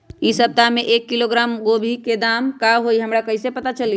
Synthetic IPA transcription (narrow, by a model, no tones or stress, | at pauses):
isəb̚t̪ameʔekːiloɡɾamɡobʱiked̪amkaɦojɦəmɾakəɪsepət̪at͡ʃəli